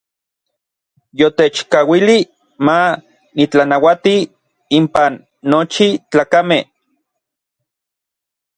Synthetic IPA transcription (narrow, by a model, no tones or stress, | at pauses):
jot̪et͡ʃkawili | ma | nit͡ɬanawat̪i | impanː | ot͡ʃit͡ɬaːkameh